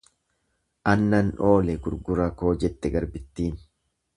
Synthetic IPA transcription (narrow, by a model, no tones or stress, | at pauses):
ʔɐnːɐnᶑo̞ːlɛɡʊɾɡʊɾɐko̞ːd͡ʒɛt̪ːɛɡɐɾbɪt̪ːiːn